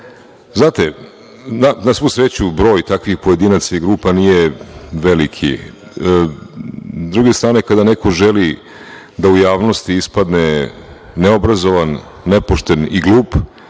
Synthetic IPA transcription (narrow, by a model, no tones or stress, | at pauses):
znaːt̪e | nanasʋusɾet͡ɕubɾo̞ːjt̪akʋixpoje̞d̪iːnat̪saiɡɾuːpanije̞ʋelikʰḭ | zd̪ɾuɡe̞st̪ɾaːne̞kad̪anekʰo̞ʒeli | d̪aujaːʋnost̪iispad̪ne̞ | neobɾazo̞ʋanː | epoʃt̪e̞niɡluːp